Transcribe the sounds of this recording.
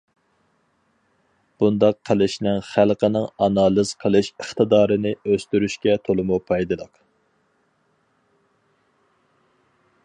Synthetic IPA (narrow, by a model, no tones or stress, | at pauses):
b̥und̪ɑqʰːəlˠɪʃnɪŋχælˠqʰənɪŋɑnɑːlˠɨz̥qʰəlˠɨʃəχt̪ɨd̪ɑːɾɨnɪøst̪yɾyʃkʲɛt̪ʰolˠɨmupʰɑjd̪ɨlˠəq